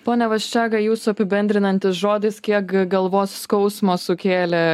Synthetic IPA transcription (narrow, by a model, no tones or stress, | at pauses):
poːnʲɛʋɐʃʲt͡ʃʲæːɡɐjuːsʊɐpʲɪbʲɛnʲd̪ʲɾʲɪnɐnʲt̪ʲɪsʒoːd̪ʲɪskʲiɛkɡɐlˠʋoːsskɐʊsmoːsʊkʲeːlʲɛ